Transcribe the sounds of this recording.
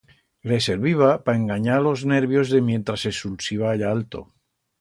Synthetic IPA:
lese̞ɾβiβ̞apae̞ŋɡaɲaɾlo̞zne̞ɾβjo̞zðe̞mjẽ̞nt̪ɾasesulsiβ̞aaʎaalt̪o̞̰

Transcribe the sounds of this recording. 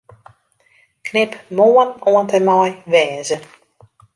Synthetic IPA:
knɪpmoːənoəntərmɔjʋɛːzə

